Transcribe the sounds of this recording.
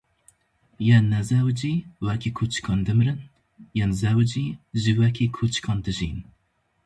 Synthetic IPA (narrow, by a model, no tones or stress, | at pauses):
jɛnnːɛzæwd͡ʒiwækʰikʰut͡ʃkʰɑnd̪ɨmɾɨn | jɛnzæwd͡ʒiʒɨwɛkʰekʰut͡ʃkʰɑnd̪ɨʒḭn